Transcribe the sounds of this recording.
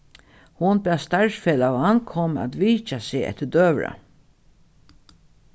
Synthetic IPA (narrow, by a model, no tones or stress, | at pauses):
hʊnbæːst̪aɹsfeːlawankʰɔma̰t̪ʋiːt͡ʃaseːɛ̰t̪əd̪øːʋɹa̰